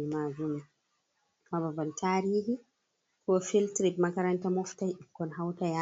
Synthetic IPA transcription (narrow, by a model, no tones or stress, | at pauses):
imazuma | mababaltʰaːɾiːhi | kɔfiltɾikmakaɾantamɔftajikːɔnɦawtaja